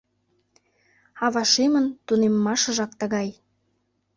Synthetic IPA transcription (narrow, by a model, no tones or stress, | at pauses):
ɑβɑʃemənt̪unemːɑʃə̆ʒɑk̚t̪ə̆ɣɑj